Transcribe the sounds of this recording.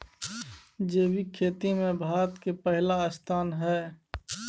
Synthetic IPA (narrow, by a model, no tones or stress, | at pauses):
d͡ʒeːbikʰeːt̪imẽbʱaːɾət̪kepəɦlast̪ʰaːnɦɛː